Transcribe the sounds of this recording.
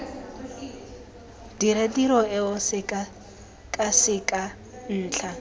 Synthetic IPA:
diɾediɾɔɛɔsɪkʼa | kʼasɪkʼa | n̩ːt͡ɬʰa

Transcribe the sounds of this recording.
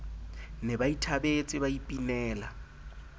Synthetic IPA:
nɛbaitʰabet͡sʼɪbaipʼinɛːla

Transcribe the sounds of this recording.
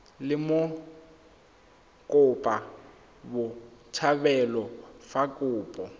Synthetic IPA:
lɪmʊ | kʼʊpʼa | bʊtʰabɛlɔfakʼʊːpʼɔ

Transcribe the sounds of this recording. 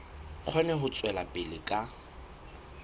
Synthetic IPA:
q͡χʰwɛnɛɦʊt͡sʼwɛlapʼɪlɪkʼa

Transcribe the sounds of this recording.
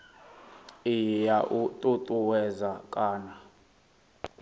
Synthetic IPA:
ijaʔutʼutʼuwɛzakʼaːna

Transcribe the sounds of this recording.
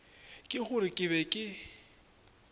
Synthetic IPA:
kʼɪɣʊɾɪkʼɪβɛkʼɪ

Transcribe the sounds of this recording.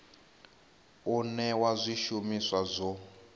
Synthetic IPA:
unɛwazʷiʃumiswazʷɔ

